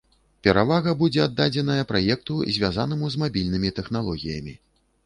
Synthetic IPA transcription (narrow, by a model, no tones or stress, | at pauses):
pʲɛɾavaɣɐbud͡zʲɛad̪ːad͡zʲɛn̪ɐjɐpɾajɛk̚t̪uzʲvʲjazanɨmuzmabʲilʲnɨmʲit̪ɛxn̪alˠɔɣʲijɐmʲi